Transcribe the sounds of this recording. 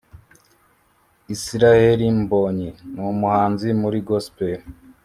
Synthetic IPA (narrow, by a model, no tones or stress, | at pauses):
isiɾaheɾimboɲinumuhaːnzimuɾiɡospe